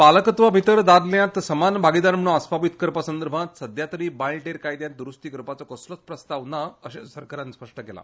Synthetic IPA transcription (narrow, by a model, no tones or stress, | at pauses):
paləkət̪ʋabʱit̪əɾd̪aɾljãt̪səmanbʱaɡid̪anm̤əɽũaspaʋit̪kəɾpasənd̪əɾbʱãt̪səd̪jat̪ɾiːbajlʈeɾkajd̪jãnt̪ɾust̪ikəɾpat͡sɔkəslət͡spɾəst̪aʋnaəɕsəɾkəɾjãnspəʂʈəkela̰